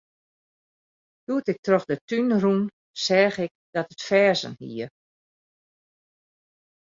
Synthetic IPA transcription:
duətɪk̚troxdətynrun | sɛːxɪk̚ | d̥ɔtətfɛːzə̰nhḭə

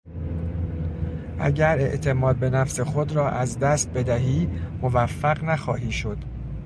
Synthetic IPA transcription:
ʔæ̰ɟæɾe̞̰ʔt̪ʰe̞mɒːd̪̚be̞næfse̞xo̞d̪ɾɒːʔæzd̪æst̪̚be̞d̪æɦiːmovæfːæɣnæxɒːɦiːʃo̞d̪̥

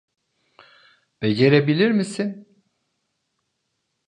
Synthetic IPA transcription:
b̥eɟeɾebilʲiɾmisin

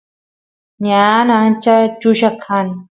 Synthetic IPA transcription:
ɲanãnt͡ʃat͡ʃuʃakʰan

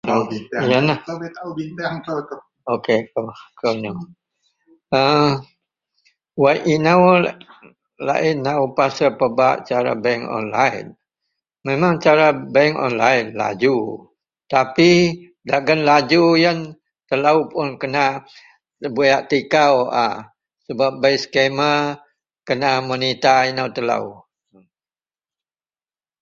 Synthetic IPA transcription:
njanai | okekokona | ə | wajʔinaw | la̰ʔɪnːaupasəpəbaʔt͡ʃaɾa̰bɛŋɔ̰nla̰jn | memaŋt͡ʃaɾabɛŋɔ̰nlainla̰d͡ʒu | t̪api | daɡənlad͡ʒujən | t̪əlaupʊnkəna | əbujaʔt̪ikawa̰ | səbap̚bəjsə̥kemə | kənamonit̪ainəwt̪əla̰u

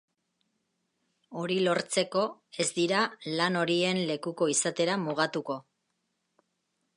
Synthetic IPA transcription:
o̞ɾilo̞ɾt͡se̞ko̞e̞zd̪iɾalano̞ɾie̞nle̞kuko̞isat̪e̞ɾamuɣat̪uko̞

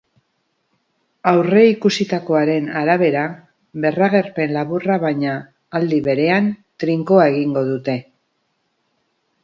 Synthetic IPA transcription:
awre̞ikusit̪ako̞aɾe̞naɾaβ̞e̞ɾa | be̞raɣ̞e̞rpe̞nlaβuraβajɲaː | ld̪iβe̞ɾe̞ant̪ɾiŋko̞ae̞ɣ̞iŋɡo̞ðut̪e̞

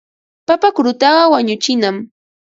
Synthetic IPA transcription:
papakɾʊt̪ɑɢɑwaɲʊt͡ʃɪnam

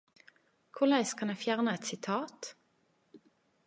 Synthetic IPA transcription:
kʰʊʁlæɪskʰɑnæfjæʁnəɛt̪sɪt̪ʰɑːt̪

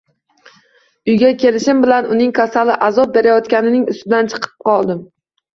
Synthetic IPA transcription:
ʊjɡʲakʲe̞lɪʃɪmbɪlanʊnɪŋkʰasalɪʔazɒp̚be̞ɾajɒt̪kʲanɪnɪŋʊ̰st̪ɪd̪ant͡ʃʰɨ̥qʰɨ̥p̚qʰɒlˠd̪ɪm

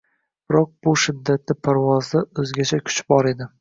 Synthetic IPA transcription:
b̥ɪɾɒq̚b̥ʊʃɪd̪ːat̪̚nɪpʰaɾvɒzɪɵzɡʲat͡ʃʰakʰʊ̥t͡ʃbɒɾe̞d̪ɪ

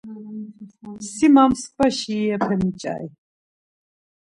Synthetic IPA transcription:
simamskʼbaʃiːɛpʰɛmit͡ʃʼa̰i

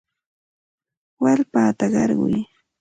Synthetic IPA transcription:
walpaːt̪aɢɑɾɢʊ̰j

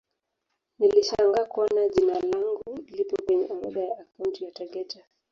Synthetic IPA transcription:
niliʃaŋɡakuanaʄinalaŋɡulipɔkwɛɲɛama̰ɗajaːkawuntijataɠɛta

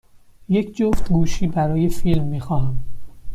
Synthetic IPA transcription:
je̞cʰd͡ʒoft̪ɡuːʃiːbæɾɒːje̞filmːiːxɒːɦæm

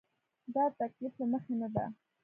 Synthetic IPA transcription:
d̪ɑt̪akliflaməxenad̪a̰

